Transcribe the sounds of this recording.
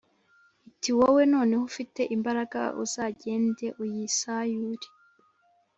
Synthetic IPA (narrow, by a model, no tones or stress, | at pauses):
itiwowe̞no̞ːne̞hufite̞ʔimbaɾaɡa̰ṵz̥aːɟe̞ːnde̞ʔujisajuɾi̥